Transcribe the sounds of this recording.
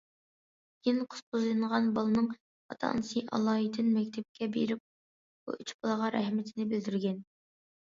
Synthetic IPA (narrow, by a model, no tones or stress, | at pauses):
ɡ̥inqʰʊ̥st̪ʰuzˠɨɴʁɑnbɑlˠɨnɨŋ | ɑt̪ʰɑ̰nsiʔɑ̰lˠɑːit̪ʰɪnmɛkʲt̪ʰɛp̚kʲʰɛbḛɾɪp̚ | b̥ṵyt͡ʃbɑlˠɑʁɑɾɛ̰hmɪt̪ʰɪnɪbɪld̪yɾɡʲɛn